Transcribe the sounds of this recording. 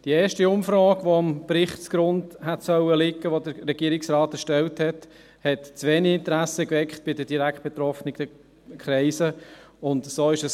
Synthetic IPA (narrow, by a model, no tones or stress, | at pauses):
d̥ieːʃtiʊmfɾoːɡʋoɑmpɾɪχt͡sɡ̥ɾʊndhɛtsœwəlɪkːəʋodəɾɾɛɡ̥iəɾɪksrɑːtɛʃtɛlthɛt | hɛtt͡sʋeːniɪnt̪əɾæsəkʋɛkχt̚b̥ɪdəd̥iɾækχt̚b̥ɛt̪ɾɔfnɪɡd̥ɛ | kχɾɛɪsəʊndsoːɪʃəs